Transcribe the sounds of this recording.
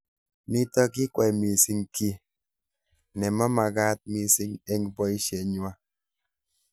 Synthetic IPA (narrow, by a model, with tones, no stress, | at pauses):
ni˦tɔ˦ki˦kwa˨jmi˨si˦ŋki˦ | nɛ˨ma˦ma˨ka˦t̚mi˨si˦ŋe˦ŋbɔ˦i˦ʃe˨ɲwa˦